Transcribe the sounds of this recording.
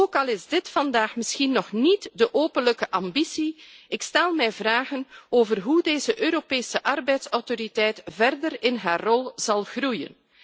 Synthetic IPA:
oːkɑlˠɪzdɪtfɑndaːxmɪsxinːɔxnitdəʔoːpənləkəʔɑmbisiɪkstɛlˠmɛjvraːɣənoːvərɦudeːzəʔøːɾopeːsəʔɑrbɛjtsɔwtoɾitɛjtvɛrdərɪnɦaːrːɔlˠz̥ɑlˠɣrujə̰n

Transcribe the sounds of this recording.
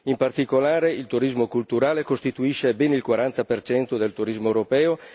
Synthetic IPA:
impart̪ikolaːɾeilt̪uɾizmokult̪uɾaːlekost̪it̪uiʃːebɛnilkwaɾant̪apert͡ʃɛnt̪od̪elt̪uɾizmoɛwɾopɛːo

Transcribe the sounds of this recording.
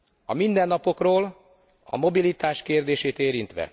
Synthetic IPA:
ɒmind̪ɛnːɒpo̞kroːl | ɒ̰mo̞bilit̪aːʃkeːrd̪eːʃeːt̪eːɾint̪ʋɛ̰

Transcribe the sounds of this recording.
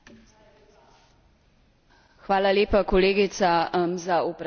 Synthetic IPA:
xʋaːlaleːpakɔleːɡit̪samzaɔpɾ

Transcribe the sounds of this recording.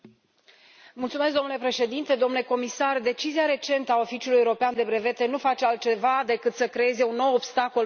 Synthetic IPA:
mult̪sumesk̚d̪onulepɾe̞ʃe̞d̪int̪e̞d̪o̞mnule̞ko̞misard̪e̞t͡ʃiziaɾe̞t͡ʃe̞nt̪əao̞fit͡ʃiulujewuɾo̞peand̪e̞bɾe̞ve̞t̪e̞nufat͡ʃealt̪̚t͡ʃe̞vad̪e̞kɨt̪səkɾe̞e̞ze̞unːo̞wobst̪ako̞l

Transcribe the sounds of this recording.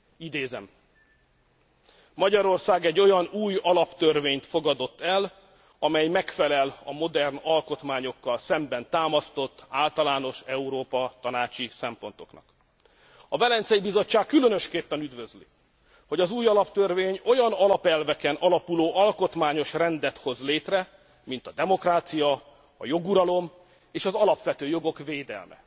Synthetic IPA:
id̪eːzɛ̰m | ɒɟɒɾo̞rsaːɡɛɟːo̞jɒnuːjɒlɒpt̪ørveːɲt̪fo̞ɡɒd̪o̞t̪ːɛl | ɒmɛjmɛkfɛlɛlɒ̰mo̞d̪ɛrnɒlko̞t̪maːɲo̞kːɒlsɛmbɛnt̪aːmɒst̪o̞t̪ːaːlt̪ɒlaːno̞ʃɛuɾoːpɒt̪ɒnaːt͡ʃisɛmpo̞nt̪o̞̥knɒ̰k | ɒvɛlɛnt̪sɛjibizo̞t͡ʃːaːkːylø̞nøʃkeːpːɛnyd̪vø̞zlḭ | ho̞ɟɒzuːjɒlɒpt̪ørveːɲo̞jɒnɒlɒpɛlvɛkɛnʔɒlɒpuloːʔɒlko̞t̪maːɲo̞ʃrɛnd̪ɛt̪ho̞zleːt̪rɛ | mint̪ɒd̪ɛmo̞kraːt̪sijɒ | ɒ̰jo̞ɡuɾɒlo̞m | eːʃɒzɒlɒpʋɛt̪øːjo̞ɡo̞kveːd̪ɛ̰lmɛ̰

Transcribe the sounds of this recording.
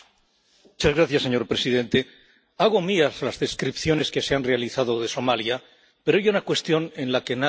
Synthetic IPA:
mut͡ʃazɣɾaθjasːe̞ɲo̞ɾpɾe̞siðe̞nt̪e̞ | aɣ̞o̞miazlazðe̞skɾipθjo̞ne̞ske̞seanre̞aliθaðoðe̞so̞malja | pe̞ɾoajunakwe̞st̪jo̞nẽ̞nlake̞na

